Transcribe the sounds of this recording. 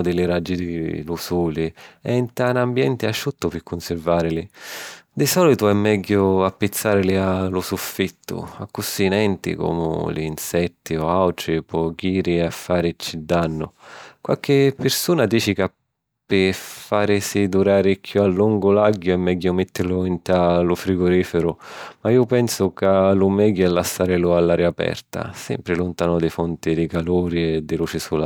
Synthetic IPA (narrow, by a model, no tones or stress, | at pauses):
d̪ɪlɪɾad͡ʒːid̪ɪlusuːlɪɛint̪anambjɛnt̪ɪaʃːut̪ːʊpɪkːʊnsɪɾvaːɾɪlɪd̪ɪsɔlit̪ʊɛmːɛɡːʊapːɪt̪sːaːɾɪlɪalʊsufːit̪ːʊ̰a̰kːusinɛnt̪ḭko̰mʊ̰lḭːnsɛt̪ːiɔawʈɾɪpʰɔɡiːɾɪafːaːɾɪt͡ʃːid̪ːanːʊ̰kwa̰lk̟ɪpːɪɾsuːnad̪iːt͡ʃika | pːɪfaːɾɪsid̪uɾaːɾɪkʰːjualːuŋɡʊlaɡːʊɛmːɛɡːʊmet̪ːɪɾlʊint̪alʊfɾiɡʊɾiːfɪɾʊmaiːʊpɛnsʊkalʊmɛɡːʊɛlːasːaːɾɪlʊalːaːɾjaːpɛ̰rt̪a̰sɛ̰mpɾɪlʊnt̪aːnʊd̪ɪfunt̪id̪ikaluːɾiɛd̪ːɪluːt͡ʃisula